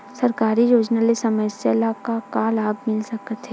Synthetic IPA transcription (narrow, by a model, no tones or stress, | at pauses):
sɐɾkaːɾijoːd͡ʒnalesɐməsjalakakaːlaːbmɪlsɐkət̪ʰɦe